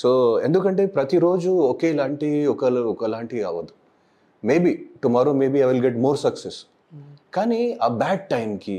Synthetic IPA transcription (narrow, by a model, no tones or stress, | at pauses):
soːḛnd̪ukɐɳʈepɾɐt̪iɾoːd͡ʒuoːkeːlaːɳʈiokɐlokɐlaːɳʈia̰ːʋod̪u | meːbiʈumaːɾoːmeːbiajʋilɡeʈmoːɾsɐkses | kaːniabɛːɖ̚ʈaɪmki